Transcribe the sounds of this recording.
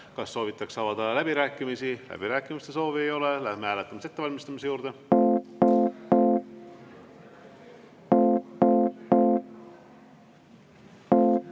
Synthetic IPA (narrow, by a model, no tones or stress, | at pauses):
kɑsːo̞ːvit̪ːˑɑksɑvɑd̪̥ɑlæb̥iɾæːkːˑimisilæ̰b̥iɾæːkːˑimist̪e̞so̞ːviejo̞lelæhmehæːle̞t̪ˑːɑmɑse̞t̪ːe̞vɑlʲmist̪ɑmis̬e̞juːɾd̪e